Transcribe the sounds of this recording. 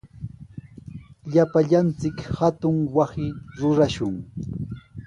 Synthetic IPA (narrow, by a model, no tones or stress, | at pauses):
ʎapaʎant͡sɪkhat̪ʊŋwasɪɾʊɾaʃʊŋ